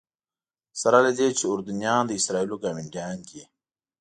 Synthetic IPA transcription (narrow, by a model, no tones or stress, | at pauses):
sɐɾaled̪eːt͡ʃʰiuɾd̪unjãːnd̪əisɾaːilokamiɳʈaːnkie